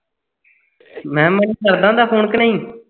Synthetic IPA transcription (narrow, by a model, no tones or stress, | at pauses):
mɛ̃ːməniːkəɾd̪ãːd̪aːpʰoːnkənəĩː